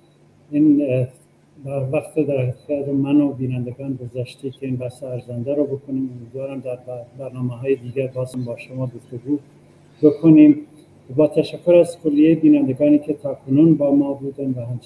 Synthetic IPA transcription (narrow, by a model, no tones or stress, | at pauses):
iːn | bæɾvæxt̪ʰed̪æɾæɡɑːɾomænobiːnænd̪eɡɑːnɡozæʃt̪ecʰeiːnbæhseæɾzænd̪æɾobe̞kʰoniːmomiːd̪vɑːɾæmd̪æɾbæɾnɑːmeɦɑːjed̪iːɡæɾbɑːzhæmbɒːʃomɑːɡoft̪oɡuː | be̞kʰoniːm | bɒːt̪ʰæʃækʰːoɾæzkʰolːijejebiːnænd̪eɡɑːniːcʰet̪ʰɑːkʰonuːnbɒːmɒːbuːd̪ænvæhæmt͡ʃ